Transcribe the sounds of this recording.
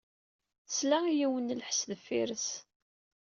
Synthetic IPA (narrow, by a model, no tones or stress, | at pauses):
slæijiwənlħə̥sðəfːiɾəs